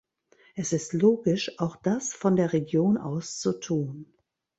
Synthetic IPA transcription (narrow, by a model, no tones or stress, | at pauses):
ʔɛsɪstloːɡɪʃʔaʊxd̥asfɔndeːɐʁeɡjoːnʔa̰ʊst͡sutʰuːn